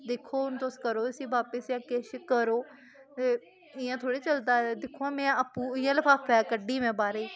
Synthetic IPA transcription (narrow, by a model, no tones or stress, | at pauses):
d̪eːkʰːoːʊnt̪oskəɾoːəsĩːʋaːpɪsjãːkeʃkəɾoː | t̪eː | ɪjãːt̪ʰoːɽeːt͡ʃəld̪aːɛd̪ɪkʰoãːmɛ̃ːəpːũːɪjãːləpʰaːpʰɛːkəɖiːʋɛ̃ːbaːɾeiː